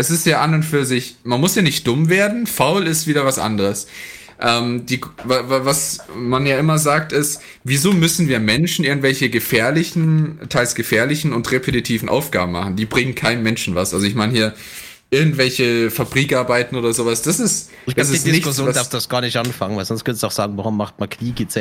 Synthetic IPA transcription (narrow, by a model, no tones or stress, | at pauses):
ʔɛsɪstjaːʔanʊnfyːɐzɪçmanmʊsjaːnɪçt̚d̥ʊmveːɐdn̩faʊlɪstv̥iːɾɐvasʔa̰ndəʁəs | ʔɛːmd̥iːvavavasmanjaːʔɪmɐzaːk̚tɪst | viːzoːmʏsn̩viːɐmɛnʃn̩ʔɪɐɡŋ̩tvɛlçəɡəfɛːɐlɪçn̩tʰaɪlsɡ̥əfɛːɐlɪçn̩ʊntʁepʰetitʰiːvn̩ʔa̰ʊfɡ̥a̰ːbm̩ma̰χn̩d̥iːbʁɪŋənkʰaɪnənmɛnʃn̩vasʔa̰lzoɪçmaɪnhiːɐ | ʔɪɐɡŋ̩tv̥ɛlçəfabʁiːkʔaɐbaɪtn̩oːdɐzoːvasd̥asɪst | d̥as̬ɪtdɪnɪsçjoːdasdasɡ̥aːɐnɪçtʔanfaŋənvaɪlzɔnstkœnsuaʊxz̥aːɡŋ̩vaʁʊmːaχt̚mankʰniːɡesɛ